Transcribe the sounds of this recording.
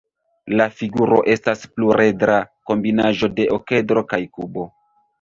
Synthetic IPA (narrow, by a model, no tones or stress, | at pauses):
lafiɡuɾo̞̰ʔe̞staspluɾe̞dɾako̞mbinaʒo̞de̞ʔoke̞dɾo̞kajkubo̞